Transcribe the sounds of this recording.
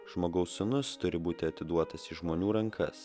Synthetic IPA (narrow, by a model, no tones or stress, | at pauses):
ʒmoːɡɐʊsʲʊnʊst̪ʊɾʲɪbuːt̪ʲɪɐt̪ʲɪd̪uɔt̪ɐsɪʒmoːnʲuːɾɐŋkʰɐ̰s